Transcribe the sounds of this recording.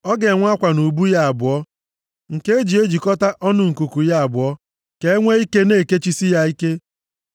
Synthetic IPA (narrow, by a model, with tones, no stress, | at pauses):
ɔ˦ɡe˨ŋʷa˦kʷa˨nu˨bu˦ja˦a˨bʊ˨ɔ˦ | ŋ̩˨ke˦e˦d͡ʒi˨e˦d͡ʒi˨kɔ˦ta˦ʔɔ˦nʊ˨ŋ̩˨ku˨ku˨ja˦a˨bʊ˨ɔ˦ | ke˨e˦ŋʷe˦i˦ke˦ne˦˨ke˦t͡ʃi˦si˦ja˦i˦ke˦